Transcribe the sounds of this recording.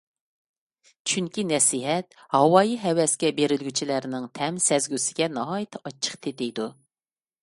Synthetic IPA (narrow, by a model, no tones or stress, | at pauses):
t͡ʃʰyŋkʲinɛsiɦɛt̪̚ | hɑwɑːjiɦɛwɛskʲɛbeɾɪlɡʲyt͡ʃʰilæɾnɪŋt̪ʰɛmsɛzɡʲysɪɡʲɛnɑɦɑjt̪ʰɑt͡ʃʰːə̥qt̪ʰet̪ejd̪u